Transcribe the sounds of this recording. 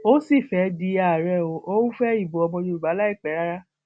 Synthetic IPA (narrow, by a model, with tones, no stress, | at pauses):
o˦si˦˨fɛ˨˦di˧˦a˨ɾɛ˦˨o˧o˦ũ˦fɛ˦i˦˨bo˨ɔ˧bɔ̃˧d͡ʒo˧ɾu˨ba˨˦la˦i˦˨k͡pɛ˨˦ɾa˦ɾa˦